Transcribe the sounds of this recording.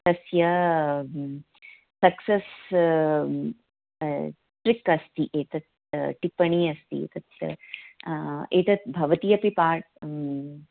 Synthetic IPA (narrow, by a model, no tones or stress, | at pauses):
t̪ɐsjɐ | sɐkses | ʈɾɪkɐst̪iʔeːt̪ɐt̪ | ʈipɐɳ̃iːɐst̪ḭḛt̪ɐt̪jɐ̰ | eːt̪ɐt̪bʱɐʋɐt̪ijɐpipaːʈ̚